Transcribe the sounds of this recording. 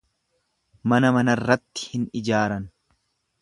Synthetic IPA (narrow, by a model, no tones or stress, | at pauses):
mɐnɐmɐnɐrːɐt̪ːɪ̥hɪnɪd͡ʒaːɾɐn